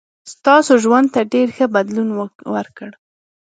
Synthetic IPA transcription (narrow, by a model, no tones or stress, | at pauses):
st̪ɑsoʒwand̪̚t̪aɖeɾxəbad̪lunwəɾkəɽ